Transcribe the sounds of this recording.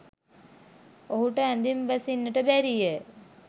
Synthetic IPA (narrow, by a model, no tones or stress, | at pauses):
oɦuʈəæ̃nd̪imʋæsinːəʈəbæɾijə